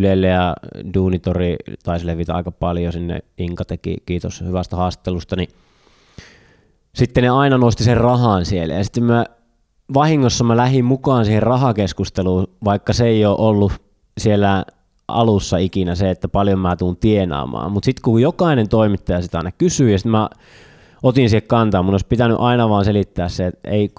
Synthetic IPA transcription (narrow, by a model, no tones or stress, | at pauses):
ylelːejɑduːnit̪orit̪ɑisleʋit̪æɑ̰ˑikɑpɑljosinːḛiŋkɑt̪ekḭkiːt̪o̰shyʋæst̪æhɑːst̪i̥t̪ˑːelust̪ɑni | sit̪ːeneɑinɑnost̪iserrɑhɑnsielːæ̰jɑsi̥t̪ːemæ | ʋɑhiŋːosːɑmælæhimmukɑːnsiːherrɑhɑkeskust̪eluːʋɑikːɑseeioːʔolːu | sielːæ | ʔɑ̰lusːɑikinæseet̪ːæpɑljommæːt̪uːnt̪ienɑ̰ːmɑ̰ːmmut̪sit̪kujokɑˑinent̪oimit̪ːɑjɑsit̪ɑˑinɑkysyːjɑsit̪mæ | ot̪insihekkɑnt̪ɑːmunoˑispit̪æny̰ʔɑinɑʋɑːnselit̪ːæːsseet̪ḛˑi